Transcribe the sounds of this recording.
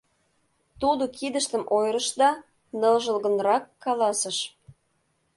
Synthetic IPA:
t̪ud̪okid̪əʃt̪əmʔojɾə̆ʃd̪ɑ | nɤlʒəlɣə̆nɾɑkːɑlɑsəʃ

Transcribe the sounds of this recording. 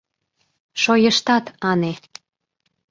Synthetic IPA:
ʃojəʃt̪ɑt̪ɑne

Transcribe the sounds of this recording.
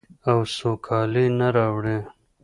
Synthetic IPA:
awsokʰɑlenaɾɑwɽe

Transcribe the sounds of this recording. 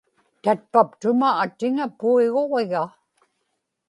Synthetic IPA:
t̪at̪̚papt̪ʊmaːt̪ɪŋapuiɣoʁeɣa

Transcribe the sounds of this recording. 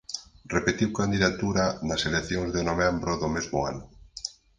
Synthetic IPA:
repet̪iwkand̪iðat̪uɾanaseleθjoŋzðenomɛmbɾoðomezmʊa̰nʊ

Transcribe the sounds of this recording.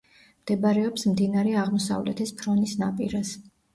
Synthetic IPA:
md̪̥ɛbaɾɛɔpsmd̪inaɾɛaʁmɔsa̰vlɛ̰t̪ʰɛspʰɾɔnisna̰pʼiɾas

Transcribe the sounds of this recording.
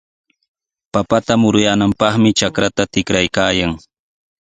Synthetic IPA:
papat̪amʊɾʊjaːnampɑχmɪt͡ʃakɾat̪at̪ɪkɾajkaːjaŋ

